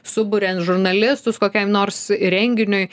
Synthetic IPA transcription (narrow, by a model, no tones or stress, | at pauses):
sʊbʊɾʲɛnt̪ʒʊɾnɐlʲɪst̪ʊskoːkʲɛɪmnoːɾsɾʲɛŋʲɡʲɪnʲʊɪ